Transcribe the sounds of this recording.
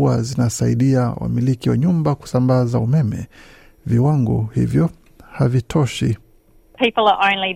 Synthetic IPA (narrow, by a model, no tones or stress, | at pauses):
azinasaiɗiawa̰milikiwa̰ɲumbaku̥sambazaumɛmɛ̰ | viwaŋɡɔ̰hḭvjɔ | havitʰɔʃi | pʰiˑpl̩ˠəʔə̃ʊ̃nli